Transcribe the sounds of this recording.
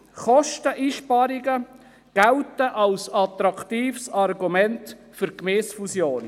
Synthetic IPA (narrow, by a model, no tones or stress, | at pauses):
χɔʃtəʔiːʃpɑɾɪɡə | ɡ̥æltəʔɑlsɑt̪ɾɑktiːfsɑrɡumɛnt | fʏɾkmɛːsfusjoːn